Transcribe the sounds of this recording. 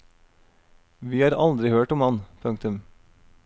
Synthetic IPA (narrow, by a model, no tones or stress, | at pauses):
ʋiːhɑːɾʔɑld̪ɾɪhøːʈʊmɑnpʰʉŋkt̪ʉm